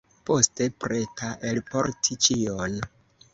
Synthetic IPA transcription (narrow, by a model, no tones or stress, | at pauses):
po̞ste̞pɾe̞taʔelpo̞̰ɾtʰit͡ʃion